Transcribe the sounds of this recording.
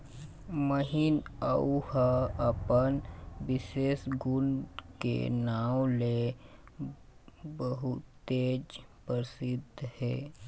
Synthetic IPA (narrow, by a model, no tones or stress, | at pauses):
məɦinəuhaəpənʋɪseːsɡʊnkḛnaːwle | bəɦut̪ | eːd͡ʒpəɾsɪd̪ʱhɛː